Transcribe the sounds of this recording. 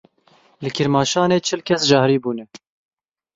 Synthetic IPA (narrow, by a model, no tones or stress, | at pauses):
lɨkʰɨɾmɑːʃɑːneːt͡ʃʰɨlkʲʰɛsʒɑːhɾiːbuːnɛ